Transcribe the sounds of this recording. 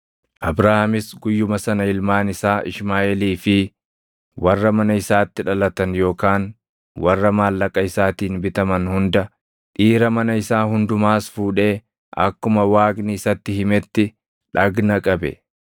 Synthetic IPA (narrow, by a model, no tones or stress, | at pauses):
ʔɐbɾɐhamɪsɡʊjːʊmɐsɐnɐɪlmaːnɪsaːʔɪʃmaːʔɛliːfɪ | wɐrːɐmɐnɐɪsaːt̪ːɪᶑɐlɐt̪ɐnjo̞ːkaːn | wɐrːɐmaːlːɐkʼːɐɪsaːt̪iːnbɪt̪ɐmɐnhʊnd̪ɐ | ᶑiːɾɐmɐnɐɪsaːɦʊnd̪ʊmaːsfuːᶑe̞ː | ʔɐ̰kːʊmɐwaːɡnɪɪsɐt̪ːɪhɪmɛt̪ːɪ | ᶑɐɡnɐkʼɐbɛ̰